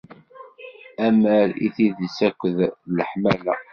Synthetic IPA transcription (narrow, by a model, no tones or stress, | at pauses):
æmæɾḭθiðəsækʷːəðləħmælæ̰